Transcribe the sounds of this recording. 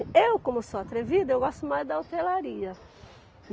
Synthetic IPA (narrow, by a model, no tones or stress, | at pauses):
ewkõmʊsoat̪ɾevid̪ʊewɡɔst̪ʊmajzd̪ɐowt̪elaɾiɐ